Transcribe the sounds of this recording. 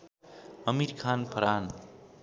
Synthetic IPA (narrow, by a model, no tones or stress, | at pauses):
ʌmiɾkʰaːnpʰʌɾaːn